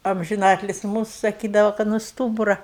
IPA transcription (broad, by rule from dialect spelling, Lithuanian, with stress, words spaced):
ɐmʲʒʲɪˈnɑːtʲlʲɪs ˈmuːsʊ sɐˈkʲiːdɐʋɐ kɐt nʊ ˈstuːbʊrɐ